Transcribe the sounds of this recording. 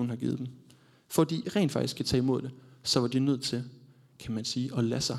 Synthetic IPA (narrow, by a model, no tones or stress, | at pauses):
un̩ɦɑ̈ɡ̥ḭːð̩̥ˠem | fɒd̥ḭːʁɛ̰ːnd̥fɑ̈ɡ̥isɡkʰæt͡sʰɛ̰ːimo̝ð̞̰ˠd̥e̝sɒ̽ʋɑ̈d̥inøð̞̰ˠt͡sʰe̝l | kʰæmænsiːʔɒ̽læsɑ̈